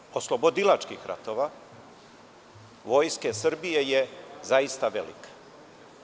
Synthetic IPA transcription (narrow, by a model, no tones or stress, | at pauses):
oslˠo̞bod̪ilat͡ʃkixɾʔa̰t̪o̞ʋa | ʋo̞jske̞sr̩bije̞jezaist̪aʋḛlḭkḁ